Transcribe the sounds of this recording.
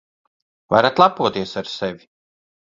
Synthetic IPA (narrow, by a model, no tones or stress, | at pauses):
va̰jɾat̪lˠapuɔt̪iɛsaɾsɛvʲi